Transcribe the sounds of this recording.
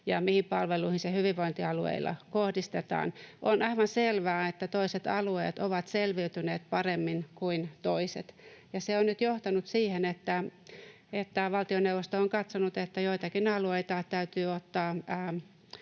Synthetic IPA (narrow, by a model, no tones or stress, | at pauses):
jɑ̰mihimpɑlʋeluihinsehyʋiʋʋoint̪iɑluḛilːɑ̰kohdist̪et̪ɑ̰ːnʔonʔɑiʋɑnselʋæːet̪ːæt̪oiset̪ɑ̰luḛːt̪oʋɑt̪selʋiyt̪yneːt̪̚pɑremːinkuint̪oiset̪jɑseonnyt̪joht̪ɑnut̪siːhenet̪ːæ | et̪ːæʋɑlt̪ioneuʋost̪ooŋkɑt̪sonut̪et̪ːæjoit̪ɑkinɑlueit̪ɑt̪æyt̪yːot̪ːɑː